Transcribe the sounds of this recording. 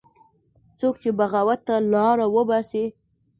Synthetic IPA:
t͡sokt͡ʃebaɣawat̪ːalɑɾawəbɑsi

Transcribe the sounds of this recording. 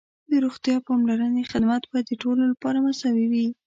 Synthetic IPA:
d̪əɾoxt̪jɑpɑmlaɾənexɪd̪mat̪̚bɑjad̪ːəʈololapɑɾamasɑwiwi

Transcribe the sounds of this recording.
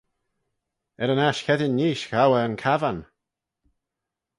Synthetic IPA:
ɛɾənaʃkʰɛdɪnːiːʃxawəənkʰavan

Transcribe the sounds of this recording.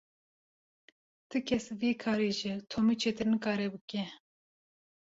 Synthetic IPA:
t̪ʰɨkʲʰɛsviːkʰɑːɾeːʒɪt̪ʰoːmɨt͡ʃʰeːt̪ɨɾnɨkɑːɾɛbɨkɛ

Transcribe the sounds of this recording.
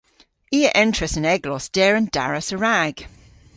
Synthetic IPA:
iːəʔɛ̃ntt͡ʃʰɹ̥əsə̃nɛɡlɔsd̥ɛːɹə̃nd̥a̰ɹəsəɹaɡ̥

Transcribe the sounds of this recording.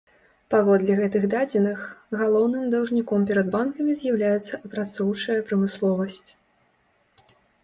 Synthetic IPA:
pavɔd̪lʲiɣɛt̪ɨɣd̪ad͡zʲɛnɨxɣalˠɔwnɨmd̪ɐwʐnʲikɔmpʲɛɾɐd̪bankɐmʲizʲjawlʲajɛt̪sːɐʔɐpɾat̪sɔwt͡ʂɐjɐpɾɐmɨslˠɔvɐsʲt͡sʲ

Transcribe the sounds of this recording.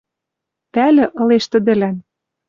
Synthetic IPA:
t̪ælɘ̆ʔɤ̆leʃt̪ɘ̆d̪ɘ̆læn

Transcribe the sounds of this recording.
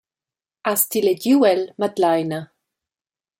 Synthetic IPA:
astʰileɟuːɛlmad̪lajnə

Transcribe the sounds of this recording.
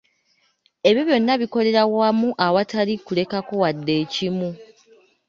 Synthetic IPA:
e̞βjo̞βjo̞nːaβiko̞le̞ɾawamuʔawatalikule̞kako̞wadːe̞ːcimu

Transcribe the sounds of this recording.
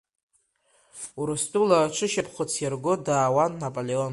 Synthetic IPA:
uɾɨstʼulaʈ͡ʂʷʰɨʃapʰχʷʊt͡sʰjarɡʷʊdaːwanːapʼoleon

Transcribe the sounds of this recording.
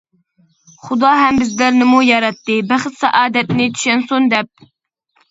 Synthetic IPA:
χud̪ɑːɦɛmbɪzlæɾnɪmujɑɾɛt̪ːɨbæχɪt̪sɛʔɑːd̪ɛt̪nɪt̪ʰy̥ʃɛnsond̪ɛp̚

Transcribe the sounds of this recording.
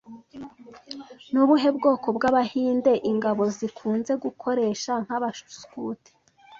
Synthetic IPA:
nuβuɦe̞bɡoːko̞bɡaβahiːnde̞ʔiŋɡaβo̞zikʰuːnze̞ɡukʰo̞ɾe̞ːʃaŋ̥haβaʃu̥skuːte̥

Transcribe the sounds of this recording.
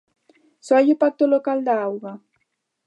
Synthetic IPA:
sɔajepat̪olokald̪aawɣa

